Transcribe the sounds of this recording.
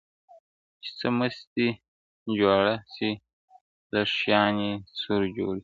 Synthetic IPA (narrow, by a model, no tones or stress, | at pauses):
t͡ʃi̥t͡səməst̪i | d͡ʒaɽasi | laʂjɑːnesuɾd͡ʒo̰ːɽi